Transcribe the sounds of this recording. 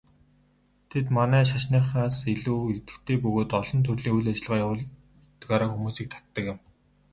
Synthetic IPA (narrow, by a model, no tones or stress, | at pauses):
t̪ʰet̪manæːʃ̬aʃniːχaːseɮuːet̪ɘ̆kt̪ʰeːpɵɣoːt̪ɔɮɞ̆nt̪ʰɵrɮiːŋujɮat͡ɕɪ̆ɮʁaːjawɮ | t̪ɡaːɾaːxumuːsiːk̚t̪ʰḁt̪ːə̆kɪ̆m